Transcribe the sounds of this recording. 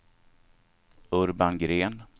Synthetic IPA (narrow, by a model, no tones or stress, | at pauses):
ɵɾbanɡɾeːn